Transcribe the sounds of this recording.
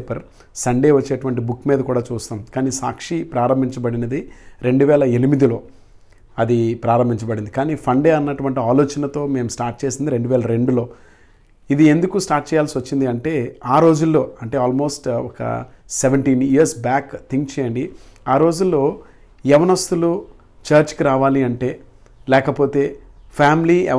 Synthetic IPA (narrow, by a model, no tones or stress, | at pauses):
pɐɾ | sɐɳɖe̞ːʋɐt͡ʃːeːʈuʋɐɳʈ̬ibukːmiːd̪ɐkuːɽaːt͡ʃuːst̪aːmkaːniːsaːkʂipɾaːɾɐmbʱiɲt͡ʃɐbɐɽinɐd̪iɾe̞ɳɖuʋɛːlɐenimid̪ilo̞ː | ɐd̪ipɾaːɾɐmbʱiɲt͡ʃɐbɐɽind̪ikaːniːpʰɐɳɖeːɐnːɐʈuʋɐɳʈiaːlo̞ːt͡ʃɐnɐt̪o̞ːme̞ːmusʈaːɾʈ̚t͡ʃe̞ːsind̪iɾe̞ɳɖuʋɛːlɐɾe̞ɳɖulo̞ː | id̪ie̞nd̪ukusʈaːɾʈ̚t͡ʃɛːjaːlsiʋɐt͡ʃːind̪iɐɳʈe̞ːaːɾo̞ːd͡ʒulːo̞ːɐɳʈe̞ːaːlmo̞ːsʈɔkɐ̰seʋeɳʈiːniɐɾsbaːkt̪ʰiŋkt͡ʃɛːjɐɳɖiaːɾo̞ːd͡ʒulːo̞ː | jɛʋɐnɐst̪ulu | t͡ʃɐːɾt͡ʃkiɾaːʋaːliɐɳʈe̞ː | lɛːkɐpo̞ːt̪e̞ːpʰaːmliɛ